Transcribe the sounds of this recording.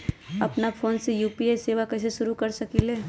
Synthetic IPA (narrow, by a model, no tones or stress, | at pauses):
ɐpnafʰoːnsejuːpieseːʋakɛːs̬eʃʊɾukɐɾsɐkileː